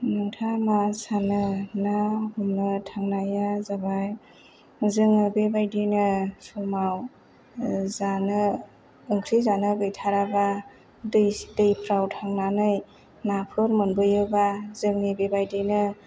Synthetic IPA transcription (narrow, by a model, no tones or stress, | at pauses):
nɯŋtʰamasanɯnahumnɯtʰaŋnajazabaj | zɯŋɯbebajdinɯsʰumaw | zanɯ | ɯŋkʰɾizanɯɡɯjtʰaɾaba | dɯjdɯjpʰɾawtʰaŋnanɯj | napʰɯɾmɯnbɯjɯbazɯŋnibebajdinɯ